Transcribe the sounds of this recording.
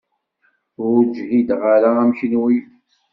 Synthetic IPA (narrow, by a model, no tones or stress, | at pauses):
ʊɾd͡ʒlid̪ʁaɾaæmçinwi